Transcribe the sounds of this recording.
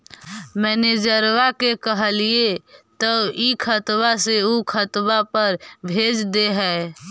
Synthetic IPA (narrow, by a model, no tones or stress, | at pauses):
mɛːned͡ʒəɾʋakekəɦəliet̪əikʰət̪baseukʰət̪bapəɾbʱed͡ʒd̪eɦɛː